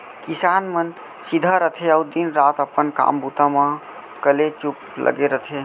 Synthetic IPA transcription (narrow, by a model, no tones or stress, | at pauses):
kisanmən | sid̪ʱaɾət̪ʰeəud̪inɾat̪əpənka̰mbut̪amã | kəlet͡ʃup | lʔə̰ɡeɾət̪ʰe